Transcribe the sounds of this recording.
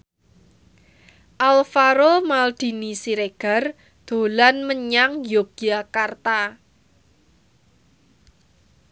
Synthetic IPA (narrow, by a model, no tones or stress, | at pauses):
ʔalfaɾomald̪̥i̤nisiɾeɡ̥a̤r | d̪̥o̤lanməɲaŋjoɡ̥iakart̪a